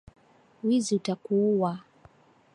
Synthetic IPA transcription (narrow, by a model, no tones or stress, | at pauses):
wiziutakuuwa